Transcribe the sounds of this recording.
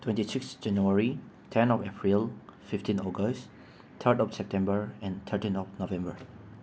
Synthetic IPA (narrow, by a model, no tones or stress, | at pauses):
tʰwɛ̃ntisɪksd͡ʒɛ̃njuəɹi | tʰɛ̃nɔfɛpʰɹilfɪftĩnɔɡəs | t̪ʰətɔfsɛp̚tʰɛ̃mbəɹɛ̃nt̪ʰətĩnɔfnovɛ̃mbə̰ɹ